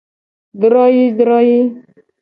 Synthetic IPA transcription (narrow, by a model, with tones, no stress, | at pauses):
d̪ɾɔ˦ji˦d̪ɾɔ˦ji˦